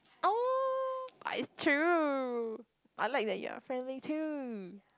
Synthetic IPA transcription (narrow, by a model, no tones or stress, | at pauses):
o | a̰stʰɹ̥u | ʔaɪlaɪk̚ðɨt̚jə̰fɹɛ̃ndlitʰu